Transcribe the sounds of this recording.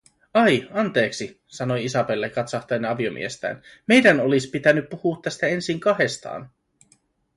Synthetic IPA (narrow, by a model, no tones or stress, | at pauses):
ɑjɑnt̪e̞ːksi | sɑno̞jisɑpe̞lːekɑt̪sɑht̪ɑenɑʋio̞mʔḭest̪æ̰ːnme̞jdæno̞lispit̪ænːypːuhuːt̪ːæst̪æe̞nsiŋkɑhe̞st̪ɑ̰ːn